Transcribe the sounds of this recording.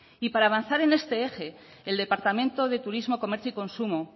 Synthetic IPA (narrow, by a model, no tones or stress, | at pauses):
ipaɾaːβ̞anθaɾe̞ne̞st̪e̞e̞xe̞ː | ld̪e̞paɾt̪amẽ̞nt̪o̞ð̞e̞t̪uɾizmo̞ko̞me̞ɾθjoiko̞nsumo